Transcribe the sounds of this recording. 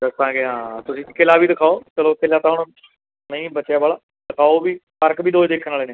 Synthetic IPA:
d̪əst̪ãːɡeɦãːt̪ʊsĩːkelaːbiːd̪ɪkʰaːoːt͡ʃəloːkɪlaːt̪aɦʊɽõ | nəĩːbət͡ʃːjaːbaːlaː | d̪ɪkʰaːobiːkəɾkbiːd̪oːd͡ʒd̪eːkʰənaːleːneː

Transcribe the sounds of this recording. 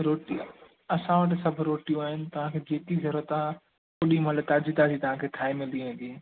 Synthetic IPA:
ɾoːʈi | ɐsãʋəʈ̬ɪsɐbʱʊ̆ɾoːʈijũaːɦɪnɪ̆t̪ɐʋ̤ãkʰeːd͡ʑeːt̪izɐɾuət̪a | kʊɗimɐt̪ləb̚t̪aːd͡ʑit̪ad͡ʑiːt̪ɐʋ̤ãkʰeːk̪ʰaːemɪld̪iʋẽːn̆d̪i

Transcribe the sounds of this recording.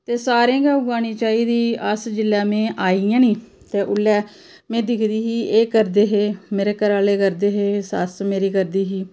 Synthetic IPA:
t̪eːsaːɾẽːɡaːɡaːniːt͡ʃaːiːd̪iːəsd͡ʒɪlːɛːmẽːʔaːijãːnĩː | t̪eːʔʊlːɛː | mẽːd̪ɪkʰd̪iːɦiːeːkəɾd̪eːɦeːmeːɾeːkəɾaːleːkəɾd̪eːɦeːsə̰smeːɾiːkəɾd̪iːɦiː

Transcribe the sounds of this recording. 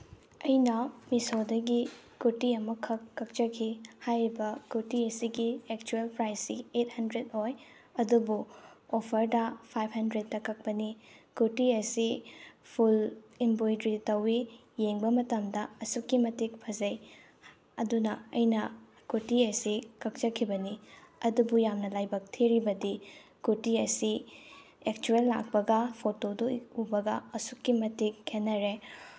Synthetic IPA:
ɐjnɐmisodɐɡi | kutiɐmɐkʰɐkːɐk̚t͡ʃɐkʰihajɾibɐkutiɐsiɡiek̚t͡ʃuelpɾajsiet̚hɐndɾedoj | ɐdubuopʰɐɾdɐpʰajp̚ʰhɐndɾetːɐkʰɐk̚pɐnikutiɐsipʰulimbojdɾitɐwi | jeŋbɐmɐtɐmdɐɐsukːimɐtik̚pʰɐzɐj | ɐdunɐɐjnɐ | kutiɐsikɐk̚t͡ʃɐkʰibɐniɐdubujamnɐlajbɐk̚tʰiɾibɐdi | kutiɐsi | ek̚t͡ʃuelːa̰k̚pɐɡɐpʰotoduubɐɡɐɐsukːimɐtikhʰenːɐɾe

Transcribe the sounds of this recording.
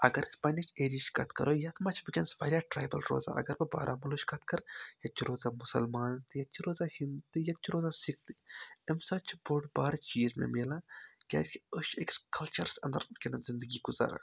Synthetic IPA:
ɐɡɐɾispɐnit͡ʃeːɾiʃkɐt̪kɐ̰ɾoːjɐt̪ʰmɐt͡ʃʰʋikʲɛnsʋɐːɾjaːʈɾaːjbɐ̰lɾo̰ːza̰ːʔɐ̰ɡɐɾbɐba̰ːɾʔaːmɐloʃkɐt̪kɐɾjɐt̪̚t͡ʃʰiɾoːzaːmʊsɐ̰lmaːnt̪ɨjɐt̪̚t͡ʃʰiɾoːzaːhint̪ɨjɐt̪̚t͡ʃʰiɾoːzaːsik̚ʰt̪i̥emsɐt͡ʃʰboʈbaːɾt͡ʃiːzmḛ̃meːlaːkʲa̰ːt͡ʃkiəʃekskɐlt͡ʃɐɾsɐ̰nd̪əɾkenazɪnd̪əɡiɡʊza̰ːɾa̰ː

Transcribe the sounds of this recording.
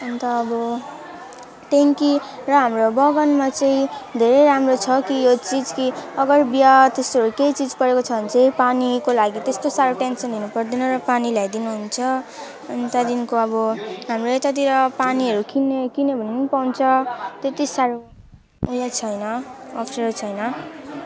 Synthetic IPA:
ʌnt̪ʌːbʌ | t̪eŋkirʌɦamrobʌɡʌnmat͡sʌĩd̪ʱeɾejɾamrot͡sʰʌkijot͡sid͡zkiʌɡʌrbijat̪esʌɾukejt͡sid͡zpʌɾekot͡sʰʌbʌnt͡sʌĩpanikolaɡit̪est̪osaɾoʈensʌnd̪inupʌrd̪inʌɾʌpanilajd̪inuɦunt͡sʰʌ | ʌnt̪ad̪inkoʌbʌɦamroet̪at̪̬iɾʌpaniɦʌɾukinekinebʱʌnpawnt͡sʰʌt̪et̪isaɾo | ujat͡sʰʌjnʌʌpʰreɾot͡sʰʌjnʌ

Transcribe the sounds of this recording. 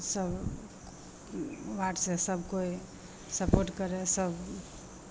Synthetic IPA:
səb | ʋaʈsesəbʱkoi | səpoɾʈkəɾesəb

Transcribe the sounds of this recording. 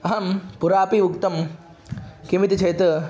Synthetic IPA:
ɐɦɐmpuɾaːpiʋukt̪ɐm | kimit̪t͡ʃʰɐjt̪ɐ

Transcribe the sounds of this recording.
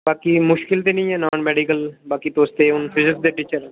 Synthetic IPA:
baːkiːmʊʃkɪlt̪eːnĩːɛːnaːɳmɛːɖikəlbaːkiːt̪oːst̪eːʊnfʰɪzɪkd̪eːʈiːt͡ʃəɾɛː

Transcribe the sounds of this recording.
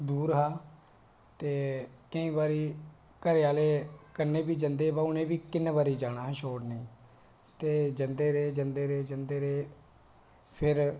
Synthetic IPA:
d̪uːɾɦaː | t̪eːkəĩːbaːɾiː | kəɾeaːleːkənːẽːbiːd͡ʒənd̪eːbaːʊnẽːbiːkɪnːʋaːɾiːd͡ʒaːñaːɦʃoːʈnĩː | t̪eːd͡ʒənd̪eːɾeːd͡ʒənd̪eːɾeːd͡ʒənd̪eːɾeː | pʰɪɾ

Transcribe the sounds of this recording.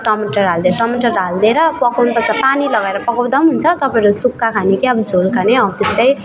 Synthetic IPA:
ʈʌmiʈʌrald̪eɾʌʈʌmiʈʌrːald̪eɾʌpʌkawnpʌt͡sapanilʌɡaeɾʌpʌkaw̃d̪amɦunt͡sʰʌt̪ʌpaẽɾusukːakʰanikeʌbd͡zʱolkʰaneʌbt̪est̪ʌj

